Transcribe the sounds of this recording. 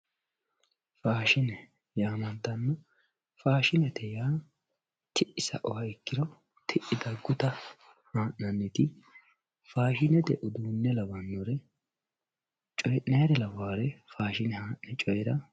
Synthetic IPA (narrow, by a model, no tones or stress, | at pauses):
faːʃɪnɛ | jaːmɐnt̪ːɐnːɔ | faːʃɪnɛt̪ɛjaː | t̪ɪʔːɪsɐ̰ʔɔwɐɛkːɪɾɔ | t̪ʰɪʔːɪd̪ɐɡʊt̪ɐ | haːʔnɐnːɛt̪ɪ | faːʃɪnɛd̪ɛʔʊd̪uːnːɛlɐwɐnːɔɾɛ | t͡ʃʼɔjʔnɛjɾɛlɐwaːɾɛfaːʃɪnɛhaːʔnɛt͡ʃʼɔjɛɾɐ